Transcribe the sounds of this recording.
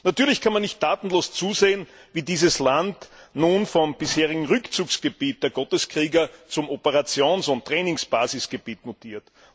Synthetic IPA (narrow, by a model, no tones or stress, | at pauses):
natyːɐlɪçkʰanmanːɪçtːaːtn̩loːst͡suːzeːənviːdiːzəslantnuːnfɔmb̥ɪsheːʁɪɡŋ̩ʁʏkt͡suːksɡ̥ebiːt̚d̥eːɐɡɔtəskʁiːɡɐt͡sʊmopəʁat͡sjoːnsʊnttːʁɛːnɪŋsb̥aːzɪsɡ̥eb̥iːtnotiːɐt